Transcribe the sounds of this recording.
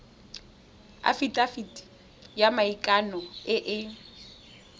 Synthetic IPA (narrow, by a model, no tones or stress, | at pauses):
a̰fitʼafitʼi̥ | jamaikʼanɔɪʔɪ